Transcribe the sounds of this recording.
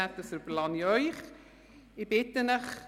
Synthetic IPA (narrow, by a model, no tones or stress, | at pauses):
ætəsərblɑnjœjχ | ibɪtənəχ